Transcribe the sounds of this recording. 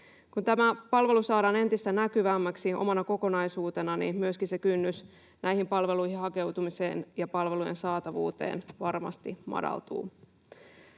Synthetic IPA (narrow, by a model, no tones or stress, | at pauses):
kunt̪æmæpɑlʋe̞lusɑːɾɑːne̞nt̪ist̪ænækyʋæːmːæksiʔo̰mɑnɑko̞ko̞nɑjsuːt̪e̞nɑnḭmyøskinse̞kynːys | nʔæjhimpɑlʋe̞luihihɑke̞wt̪umisḛːnjɑpɑlʋe̞luje̞̰nsɑːt̪ɑʋṵːt̪e̞̰ːnʋɑrmɑ̰st̪imɑ̰dɑ̰lt̪ṵː